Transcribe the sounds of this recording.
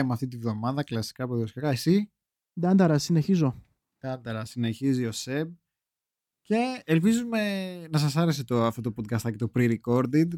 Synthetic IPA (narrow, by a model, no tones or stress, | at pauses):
imɐft̪it̪ivðo̞mɐðɐklɐsi̥kɐpoðiosi̥kkɐesi | d̪ɐnd̪ɐɾɐsine̞çizo̞ | d̪̥ɐnd̪ɐɾɐsine̞çizio̞seb̚ | ce̞ːlpizume̞nɐsɐsɐɾe̞s̬e̞t̪oɐft̪o̞t̪opod̪̚kɐst̪ɐcet̪opɾiɾiko̞ɾd̪id̪